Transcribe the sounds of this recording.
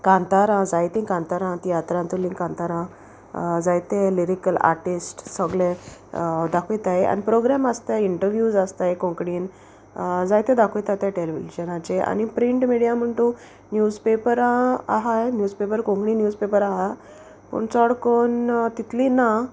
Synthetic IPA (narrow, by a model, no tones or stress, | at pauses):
kãnt̪aɾãd͡zajt̪ĩŋkãnt̪aɾãt̪ijat̪ɾãnt̪ulĩŋkãnt̪aɾã | d͡zajt̪eliɾikəla̰ɾʈisʈsəɡlẽ | d̪akʰojt̪aja̰nipɾoɡɾamast̪ajiɳʈəɾʋjud͡zast̪ajkõŋkɽiːn | d͡zajt̪ẽd̪akʰojt̪at̪jaʈeliʋid͡ʑənãt͡ɕea̰ñipɾiɳʈmiɽijam̤əɳt̪o | njud͡zpepəɾãa̰ɦajnjuːd͡zpepəɾkõŋkɽĩːnjuːd͡zpepəɾaɦa | pə̰ɳt͡sɔɽkont̪it̪ʰlina